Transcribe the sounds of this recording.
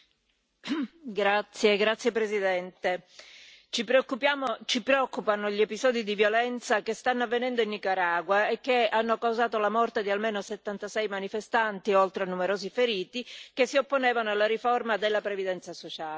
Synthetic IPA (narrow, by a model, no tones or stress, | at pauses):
ɡɾat̪sːjeɡɾat̪sjepɾezid̪ɛnt̪e | t͡ʃipɾekːupjaːmot͡ʃipɾeɔkːupanoʎepizɔːd̪id̪ivjolɛnt̪sakest̪anːoavːenɛnd̪oinːikaɾaːɡwaekːeanːokawzaːt̪olamɔrt̪ed̪ialmeːnoset̪ːant̪asɛjmanifest̪ant̪iolt̪ɾeanːumeɾoːzifeɾiːt̪ikesːiopːonɛːvanoalːaɾiformad̪elːapɾevid̪ɛnt̪sasot͡ʃaːle